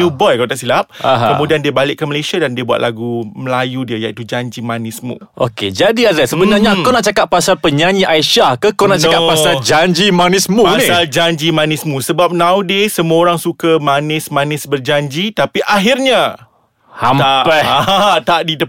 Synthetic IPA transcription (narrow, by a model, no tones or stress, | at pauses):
ubɔjkaawt̪aʔsilap̚a̰ɦkəmũdiandiəbalɪk̚ːaməlesiadandiəbuwa̰t̪̚lʔaɡuməlajudiəjait̪ud͡ʒaɲd͡ʒimanɪsmṵ̃ʔo̰ked͡ʒadiadasəbənaɲakawnaʔt͡ʃakat̪̚pːasalpəɲaɲĩʔaiʃahkakawnaʔnt͡ʃaokaʔpːasald͡ʒaɲd͡ʒimanɪsmũnsĩald͡ʒaɲd͡ʒimanɪsmũsəbap̚nãwdəsəmuaoɾaŋsukamanɪsmanɪsbərd͡ʒaɲd͡ʒit̪apiʔaɦirɲa | hamapɛaat̪aʔdidə